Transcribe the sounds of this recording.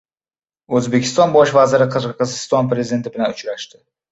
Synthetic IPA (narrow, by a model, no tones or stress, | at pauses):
ɵzbe̞kʲʰɪst̪ɒnbɒʃvazɪɾɪqʰɨɾqɨzɪst̪ɒnpɾe̞zɪd̪e̞nt̪ɪbɪlanʊt͡ʃɾaʃt̪ɪ